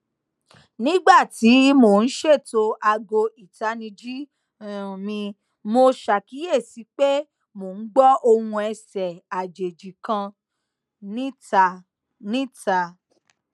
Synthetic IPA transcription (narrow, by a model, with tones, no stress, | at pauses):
nĩ˦ɡ͡ba˦˨ti˨˦mo˨n̩˦ʃe˦˨to˧ʔa˧ɡo˧i˨ta˨˦nĩ˧d͡ʒi˦˨ | mĩ˧ | mo˧ʃa˨ki˨˦je˦˨si˨˦k͡pe˦ | mo˨n̩˦ɡ͡bɔ˦ʔo˧hũ˧ɛ˧sɛ˨a˨d͡ʒe˨d͡ʒi˨kã˧ | nĩ˦ta˧ | nĩ˦ta˧